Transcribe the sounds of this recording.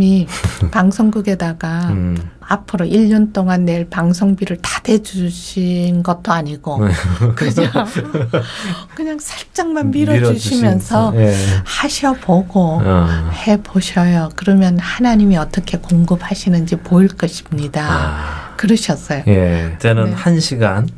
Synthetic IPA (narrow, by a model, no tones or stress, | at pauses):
ipaŋsʰoŋɡuɡe̞daɡa | apʰɯɾoʔiʎːʌnt͈oŋanːe̞ɭpaŋsʰoŋbiɾɯɭtḁde̞d͡ʑuɕʰinɡʌt̚t͈oaɲiɡokɯɲo | kɯɲaŋsʰaɭt͡ɕ͈aŋmanmiɾʌuɕʰimjʌnsʰʌhaɕʰʌboɡo | he̞boɕʰʌjokɯɾʌmjʌnhanaɲimiʌt͈ʌkʰe̞koŋɡɯp̚haɕʰinɯnd͡ʑipoiɭk͈ʌɕʰi̥mɲidakɯɾʌɕʰʌs͈ʌjojet͡ɕenɯnhanɕʰiɡan